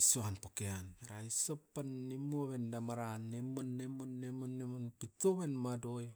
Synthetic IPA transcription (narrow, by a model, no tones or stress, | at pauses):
isuanpokeaneɾaisopːanːimuoβendamaɾanːemonːemonːemonːemonpitoβenmadoj